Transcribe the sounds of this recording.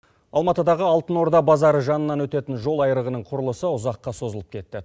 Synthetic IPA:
ɑ̰lˠmɑt̪əd̪ɑʁəɑlˠt̪əno̞ɾd̪ɑbɑzɑɾəʒɑnənːɑnwɵt̪e̞t̪ɪnʒo̞lˠɑjəɾəʁənəɴqʰʊɾəlˠəsəʊzɑqːɑso̞zəlˠəp̚kʲʰe̞t̪ːɪ

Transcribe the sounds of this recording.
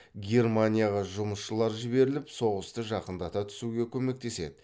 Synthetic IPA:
ɡʲe̞rmanʲijaʁɑʒʊməsʃəlˠɑɾʒɪbe̞ɾɪlɪpso̞ʁəst̪əʒɑqənd̪ɑt̪ɑt̪ʰʏ̥suɡʲe̞kʲʰɵme̞k̚t̪e̞se̞̰d̪ɪ

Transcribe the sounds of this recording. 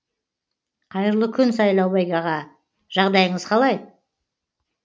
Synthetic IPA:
qʰɑjəɾəlˠəkʲʰʏnsɑjlˠɑwbɑjɡɑʁɑ | ʒ̥ɑʁd̪ɑjəɴəz̥qʰɑlˠɑj

